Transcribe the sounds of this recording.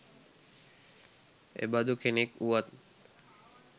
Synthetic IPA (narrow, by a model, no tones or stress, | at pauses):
ḛbad̪ukʰenekuat̪